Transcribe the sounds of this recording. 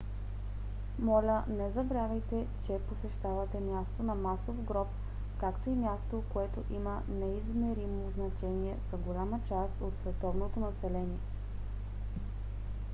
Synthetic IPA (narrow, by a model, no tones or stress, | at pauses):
mɔlʲənɛzɐbɾavɛjt̪ɛt͡ʃɛposɛʃt̪avɐt̪ɛmjast̪onɐmasofɡɾɔp̚ | kakt̪oimjast̪okoɛt̪oʔimə | nɛizmɛɾimoznɐt͡ʃɛniɛsɐɡolʲamət͡ʃast̪ot̪svɛt̪ɔvnot̪onɐsɛlɛniɛ